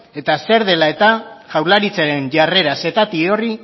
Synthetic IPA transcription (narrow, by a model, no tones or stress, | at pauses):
e̞t̪ase̞ɾðe̞lae̞t̪aʝawɾlaɾit͡saɾe̞nʝare̞ɾase̞t̪at̪io̞ri